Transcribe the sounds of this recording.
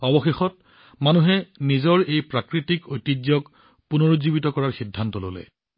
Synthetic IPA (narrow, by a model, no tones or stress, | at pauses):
ɔbɔxexɔt̚ | manuɦɛnizɔɹejpɹakɹitikojtid͡ʒjɔk | punɔɹozibitɔkɔɹaɹxidʱːantɔlo̰lɛ̰